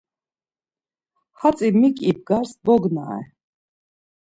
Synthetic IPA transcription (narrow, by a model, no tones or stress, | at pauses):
hat͡sʼimikʼib̚ɡaɾsbɔɡna̰ɛ̰